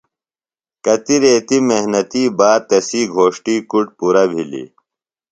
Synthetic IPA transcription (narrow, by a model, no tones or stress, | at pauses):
kɐt̪iɾeːt̪imeɦnɐt̪iːbaːt̪ɐsiːɡʱoːʂʈiːkuʈpuɾɐbʱilḭ